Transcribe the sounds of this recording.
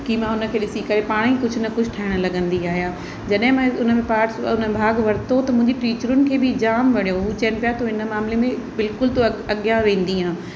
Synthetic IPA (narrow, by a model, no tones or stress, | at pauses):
kiːmãːʊnə̆kʰeːɗɪsikɐɾepaːɽ̃ikʊd͡ʑʱʊnɐkʊd͡ʑʱʈʰaɦɪɽ̃lɐɠə̃nd̪iaːɦijãː | d͡ʑɐɗɦɪ̃mãʊnə̆mẽpaːɾʈsʊnəẽbʱaːɡʋɐɾɪt̪ot̪ɐmʊ̃ɦɪ̃ɲd͡ʑiʈiːt͡ɕəɾʊnɪ̆kʰeːbɪd͡ʑaːmʋɐɽijoɦut͡ɕɐnɪpijat̪oɪnə̆maːmlemẽbɪlkʊlt̪oɐɐɠjãʋẽːn̆d̪iɦãː